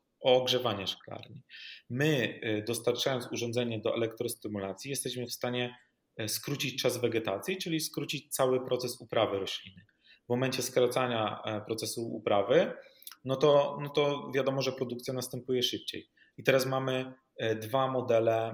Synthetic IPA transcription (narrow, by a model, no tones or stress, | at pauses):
ʔɔːɡʐɛvaɲɛʂkla̰ɾɲimɘd̪ɔst̪aɾt͡ʂajɔnsuʐɔndzɛɲɛd̪ɔʔɛ̰lɛkt̪ɾɔst̪ɘmulat̪sʲjijɛst̪ɛɕmɘfst̪aɲɛ | skɾut͡ɕit͡ɕt͡ʂazvɛɡɛt̪at̪sʲjit͡ʂɘlʲiskɾut͡ɕit͡ɕt̪sawɘpɾɔt̪sɛsupɾʔavɘɾɔɕlʲinɘ | vmɔmɛɲt͡ɕɛskɾat̪saɲa̰pɾɔt̪sɛsuṵpɾavɘ | nɔt̪ɔnɔt̪ɔvʲjad̪ɔmɔʐɛpɾɔd̪ukt̪sjanast̪ɛmpujɛʂɘp̚t͡ɕḛj | it̪ɛɾasmamɘ | d̪vamɔd̪ɛlɛ